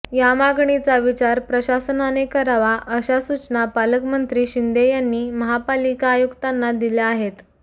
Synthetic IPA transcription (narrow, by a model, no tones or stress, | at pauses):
jamaɡɳit͡saʋit͡ɕaɾpɾəɕasənanekəɾaʋaʔəɕasut͡ɕnapaləkmənt̪ɾiːɕind̪ejanːiːməɦapalikaːjukt̪anːad̪ilaːɦet̪